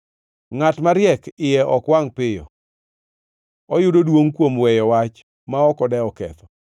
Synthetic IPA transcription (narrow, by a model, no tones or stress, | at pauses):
ŋatmaɾjɛkɪjɛʔɔkwaŋpɪjɔ̰ | ɔjʊdodwoŋkwomwɛjɔwat͡ʃ | maɔkɔdɛɔkɛ̰t̪ɔ